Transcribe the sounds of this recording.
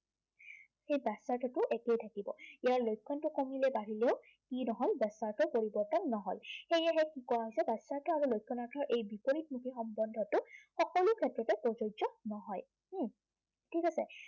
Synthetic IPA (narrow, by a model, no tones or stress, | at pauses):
xejbɛsaɹtʰɔtʊʔɛkejtʰakibɔ̰ijaɹlojkʰːɔntʊkomilɛbaɹileʊ | kinɔɦɔlbɛsaɹtʰɔpoɹibɔɹtɔnːɔɦɔ̰lxejaɦɛkikɔaɦɔjsɛbasaɹtʰɔaɹulojkʰːɔnaɹtʰɔɹʔejbipoɹit̚mukʰixɔmbɔndʱɔtʊxɔkɔlʊkʰɛtɹɔtɛpɔzozɔnɔɦɔj̩ | tʰikasɛ